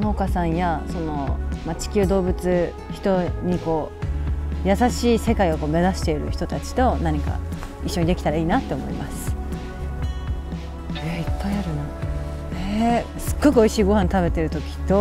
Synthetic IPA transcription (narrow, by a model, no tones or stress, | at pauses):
nookasãɰ̃jaso̞no̞mat͡ɕi̥kʲɨ̟ːd̪o̞ːbɯ̟t͡sɨ | çi̥t̪o̞ɲ̟iko̞ː | jasaɕiːse̞kaio̞koːme̞zaɕi̥t̪e̞iɾɯ̟̰çi̥t̪o̞t̪at͡ɕi̥t̪o̞naɲ̟ika̰iɕːo̞ɲ̟id̪e̞kʲi̥t̪aɾaiːnat̪ːe̞omo̞̰ḭmasɨ̥ | aipːaiaɾɯna | esɨ̥ɡːo̞kɯ̟o̞iɕiːɡo̞hãnt̪aβe̞t̪e̞ɾɯ̟t̪o̞kʲi̥t̪o̞